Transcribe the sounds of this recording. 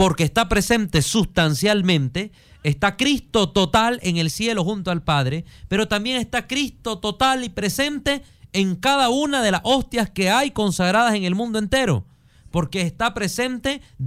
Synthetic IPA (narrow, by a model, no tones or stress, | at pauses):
po̞ɾke̞ːst̪apɾe̞se̞nt̪e̞sust̪ansjalmẽ̞nt̪e̞ː | st̪akɾist̪o̞t̪o̞t̪aleŋe̞lsje̞loxunt̪oalpaðɾepe̞ɾo̞t̪ambje̞ŋe̞st̪akɾist̪o̞t̪o̞t̪alipɾe̞se̞nt̪e̞ː | ŋkaðaunaðe̞laso̞st̪jaske̞ajko̞nsaɣ̞ɾaðase̞ŋe̞lmũnd̪oent̪e̞ɾo̞̰ | po̞ɾke̞ːst̪apɾe̞se̞nt̪e̞